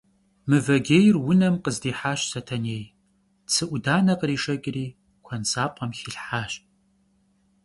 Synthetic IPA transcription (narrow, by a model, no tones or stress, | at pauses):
mɨvɐɡʲeːjrwʊnɐmqəzdiːħaːɕsɐtʰɐneːj | t͡sʰɨʔʷʊdaːnɐqəɾiːʂɐkʼriː | kʷʰɐnsaːpʷʼɐmxɪɬħaːɕ